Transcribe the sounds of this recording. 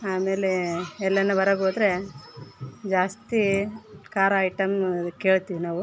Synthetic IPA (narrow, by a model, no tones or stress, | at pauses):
aːme̞ːleɛlːɐnːɐbɐɾɐɡoːd̪ɾe̞ | d͡ʒaːst̪ikaːɾajʈɐmke̞ːɭt̪iʋinaːʋu